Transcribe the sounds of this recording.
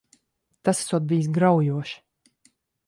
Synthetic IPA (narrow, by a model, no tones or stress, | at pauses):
t̪asḁsuɔt̪̚bijs̬ɡɾawjuɔʃi̥